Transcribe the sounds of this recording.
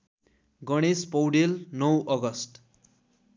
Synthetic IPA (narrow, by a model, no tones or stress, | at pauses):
ɡʌɽ̃espʌwɖelnʌwʔʌɡʌsʈ